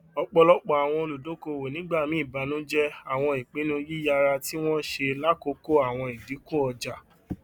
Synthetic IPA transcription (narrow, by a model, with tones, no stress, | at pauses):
ɔ˧k͡pɔ˧lɔ˦k͡pɔ˦˨a˨w̃ɔ̃˧o˧lu˨do˨˦ko˧˨we˨nĩ˨˦ɡ͡ba˦˨mĩ˦i˦˨ba˨˧˦nũ˨˦d͡ʒɛ˦a˦˨w̃ɔ̃˧i˨k͡pe˨˦nũ˦ji˦ja˧ɾa˧ti˦w̃ɔ̃˦ʃe˧la˦ko˦ko˦a˦˨w̃ɔ̃˧i˨di˨˦ko˦ɔ˧d͡ʒa˨